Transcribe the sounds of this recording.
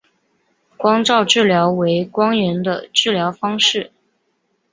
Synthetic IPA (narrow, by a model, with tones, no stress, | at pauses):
kwɑ˥ŋʈ͡ʂɑ˥˧ʊʈ͡ʂɻ̩˥˩ljɑ˧˥ʊwe˧˥ɪkwɑ˥ŋɥɛ˧˥nd̪ə˧ʈ͡ʂɻ̩˥˩ljɑ˧˥ʊfɑ˥ŋʂɻ̩˥˩